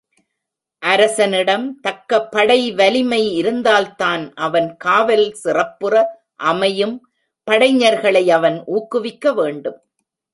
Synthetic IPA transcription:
ʔɐɾɐsɐnɪɽɐmt̪ɐkːɐpːɐɽɐɪʋɐlɪmɐɪɪɾɯnd̪aːlt̪aːnʔɐʋɐnkaːʋɐlsɪrɐpːɯrɐ | ʔɐmɐjɯm | pɐɽɐɪɲɐɾɣɐɭɐɪɐʋɐnʔuːkːɯʋɪkːɐʋeːɳɖɯm

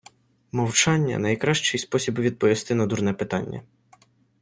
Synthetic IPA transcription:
mɔwt͡ʃɑnʲːɐ̰nɐjkɾɑʃt͡ʃɪjspɔsʲibʋʲid̪̚pɔʋʲist̪ɪnɐd̪urnɛpɪt̪ɑnʲːɐ̰

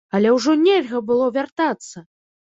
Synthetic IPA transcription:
ɐlʲɛwʐɔnʲɛlʲɣɐbɨlˠɔvʲart̪at̪sːɐ

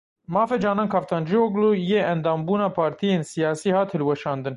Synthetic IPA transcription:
mɑːfɛd͡ʒɑːnɑːnkʰɑft̪ʰɑːnd͡ʒioɡlujeːɛnd̪ɑːmbuːnɑːpʰɑːɾt̪ʰijeːnsijɑːsiːhɑːt̪hɨlwɛʃɑːnd̪ɨn

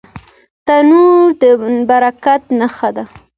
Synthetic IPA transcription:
t̪anuɾd̪əbaɾakat̪naxad̪a

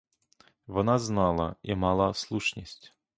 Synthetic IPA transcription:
ʋɔnaznɑlˠɐimɑlˠaslˠuʂnʲisʲtʲ

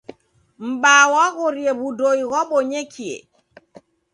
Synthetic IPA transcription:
m̩ɓaːwaɣoɾiɛbudojɣɔɓɔɲekʰːiɛ̰

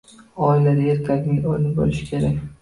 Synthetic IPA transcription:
ɒɪlad̪aeɾk̪ʲʰad̪ʲnɪŋolɪnɪbo̰lɪʃɪ̥kʲʰe̞ɾakʲ

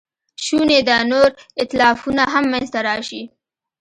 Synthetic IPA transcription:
ʃuned̪ənoɾɪt̪lɑfunaɦamːanzt̪aɾɑʃi

